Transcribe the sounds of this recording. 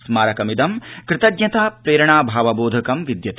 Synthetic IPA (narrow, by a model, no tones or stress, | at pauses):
smaːɾɐkɐmid̪ɐmkɾɪt̪ɐdɲɐt̪aːpɾeːɾɐɳaːbʱaːʋɐboːd̪ʱɐkɐmʋid̪jɐt̪